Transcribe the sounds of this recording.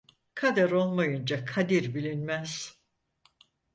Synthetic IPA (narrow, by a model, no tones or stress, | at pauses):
kʰad̪aɾo̞lˠmajɯnd͡ʒakʰad̪iɾbilʲinmæz̥